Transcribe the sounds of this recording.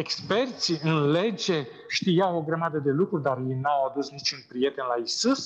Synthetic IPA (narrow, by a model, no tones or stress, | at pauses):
ekspe̞rt̪siɨnle̞d͡ʒe̞ | ʃt̪ijawo̞ɡɾəmad̪əd̪e̞lukɾurʲd̪arjejnawad̪usnit͡ʃunpɾije̞t̪e̞nlaisus